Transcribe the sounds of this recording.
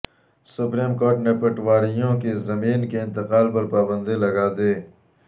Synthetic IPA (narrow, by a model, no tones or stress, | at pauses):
sʊpɾiːmkoːɾʈnepɐʈwaːɾijõkezɐmiːnkeɪ̃nt̪ɪqaːlpɐɾpaːbə̃nd̪ilɐɡaːd̪eː